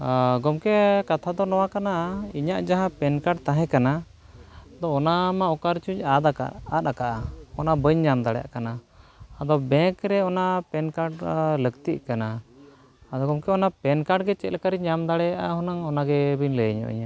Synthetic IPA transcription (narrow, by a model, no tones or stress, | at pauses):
ɡɔmkɛkat̪ʰad̪ɔnɔwakanaiɲaʔd͡ʒaɦãpɛnkaɖt̪ãɦɛ̃kana | d̪ɔɔnamaɔkaɾt͡ʃuɲad̪aka̰at̪̚akaʔaɔnabəɲːamd̪aɽɛja̰ʔkanaːd̪ɔbɛkɾɛɔnapɛnkaɖləɡt̪iʔ̚kanaː | d̪ɔɡɔmkɛɔnapɛnkaɖɡɛt͡ʃɛt̪̚lɛkaɾiɲɲamd̪aɽɛjaʔahɔnaŋɔnaɡɛbiɲləɲɔ̰ʔḭɲa